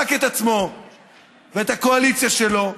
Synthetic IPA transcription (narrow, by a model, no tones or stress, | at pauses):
aket̪at͡smo̞ | veeːt̪hako̞alitt͡sjaʃe̞lo̞